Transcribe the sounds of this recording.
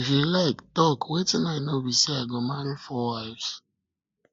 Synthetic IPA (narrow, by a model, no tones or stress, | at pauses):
fjulaɪktɔkʰwetĩnaɪnoɹisiaɪɡõmaɾifɔwaɪvs